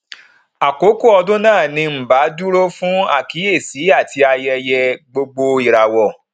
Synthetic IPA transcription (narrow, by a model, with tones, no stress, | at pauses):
a˨ko˨˦ko˦ɔ˧dõ˦nãː˦˨nĩ˧m̩˨ba˨˦du˦ɾo˦fũ˦a̰˦˨ki˨˦e˦˨si˨˦a˦˨ti˧a˧jɛ˧jɛ˧ɡ͡bo˧ɡ͡bo˧i˨ɾa˨wɔ˨